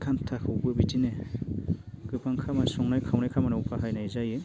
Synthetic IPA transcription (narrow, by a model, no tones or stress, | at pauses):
kʰantʰakʰɯwbɯbitine | ɡɯpʰaŋkʰamasɔŋnajkʰawnajkʰamanawpʰaɦajnajzaje